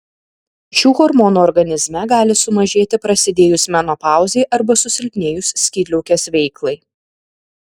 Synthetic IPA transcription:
ʃʲuːɣɔɾmɔːnuːɔɾɡɐnʲɪzʲmʲɛɡɑːlʲɪsʊmɐʒʲeːt̪ʲɪpɾɐsʲɪd̪ʲeːjʊsmʲænopɑˑʊzʲeɪʔɐɾbɐsʊsʲɪlʲpʲnʲeːjʊsːʲkʲiːd̪ʲlʲɛʊkʲɛsʋʲɛɪklˠɐɪ

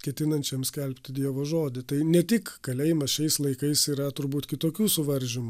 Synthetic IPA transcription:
kʲɛt̪ʲɪnɐnʲt͡ʃʲɛmsʲkʲɛlʲpʲt̪ʲɪd̪ʲiɛʋoːʒoːd̪ʲɪt̪ɐɪnʲɛt̪ʲɪkkɐlʲɛɪmɐsʃʲɛɪslˠɐɪkɐɪsiːɾɐt̪ʊɾbuːt̪kʲɪt̪oːkʲuːsʊʋɐɾʲʒʲɪmʊ

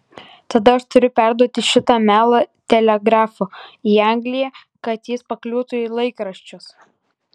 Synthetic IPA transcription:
t̪ɐd̪ɐɐʃt̪ʊɾʲʊpʲæˑɾd̪uɔt̪ʲɪʃʲɪt̪ɑːmʲæːlˠɐt̪ʲɛlʲɛɡɾɑːfoːiːɑŋʲɡlʲɪjɛ | kɐt̪jɪspɐklʲuːt̪ʊilˠɐɪkɾɐʃʲt͡ʃʲʊs

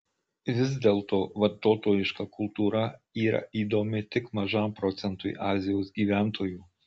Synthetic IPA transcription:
ʋʲɪzd̪ʲeːlˠt̪oːʋɐɾt̪oːt̪oːjɪʃkɐkʰʊlˠt̪uːɾɐiːɾɐ̰ʔiːd̪oːmʲɪt̪ʲɪkmɐʒɑˑmpɾɔːt̪sʲɛnt̪ʊɪʔɑːzʲɪjoːsɡʲiːʋʲæˑnt̪ʰoːjuː

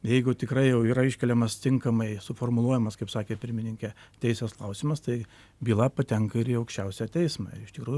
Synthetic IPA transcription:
jɛɪɡʊt̪ʲɪkɾɐɪjɛʊiːɾɐɪʃʲkʲɛlʲɛmɐst̪ʲɪŋkɐmɐɪsʊfoːrmʊlˠuɔjɛmɐskɐɪpsɑːkʲeːpʲɪɾʲmʲɪnʲɪŋʲkʲɛt̪ʲɛɪsʲɛsklˠɐʊsʲimɐst̪ɐɪ | bʲiːlˠɑpɐt̪ʲɛŋkɐɪɾiɐʊkʃʲt͡ʃʲɛʊsʲæːt̪ʲɛɪsmɑ̰ːɪɪʃt̪ʲɪkɾuːjʊ

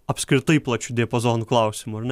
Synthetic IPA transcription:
ɐpʲsʲkɾʲɪt̪ɐɪplˠɐt͡ʃʲʊd̪ʲeɛpozoːnʊklˠɐʊsʲɪmʊɐɾnʲ

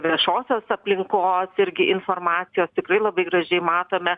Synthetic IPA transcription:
ʋʲiɛʃoːsʲoːsɐpʲlʲɪŋkoːsɪɾʲɡʲɪʔɪnfoːrmɑːt̪ʲɪjoːst̪ʲɪkɾɐɪlˠɐbɐɪɡɾɐʒʲɛɪmɑːt̪oːmʲɛ

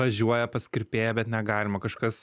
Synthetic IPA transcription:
ɐʒʲuɔjɛpɐsʲkʲɪɾʲpʲeːjɛbʲɛt̪nʲɛɡɑːlʲɪmɐkɐʃkɐs

